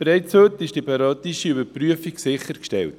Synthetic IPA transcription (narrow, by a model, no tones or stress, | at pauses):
bɾɛɪt͡shøtɪʃd̥ipɑɾɑtiʃiybəɾpryəfiksɪχəɾkʃtɛ̰lt